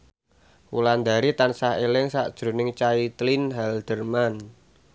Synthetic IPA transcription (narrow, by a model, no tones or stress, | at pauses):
wṵland̪aɾit̪ansaɦelɪŋsa̰ʔd̥ʒ̥ɾo̤nɪŋt͡ʃait̪linɦɛld̪̥ə̤rman